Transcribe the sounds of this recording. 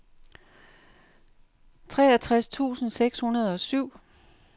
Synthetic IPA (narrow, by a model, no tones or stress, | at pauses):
t͡sʰʁɛːæt͡sʰʁast͡sʰṵːsn̩seɡ̥shunɐð̞ˠɒ̽syʊ̰